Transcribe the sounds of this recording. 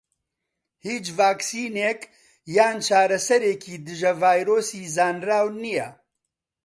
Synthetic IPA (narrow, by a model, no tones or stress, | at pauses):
hiːt͡ʃvaːksiːneːk | jaːnt͡ʃʰaːɾɐsɐɾeːkiːd̪ɨʒɐvaːjɾoːsiːzaːnraːwnijɛ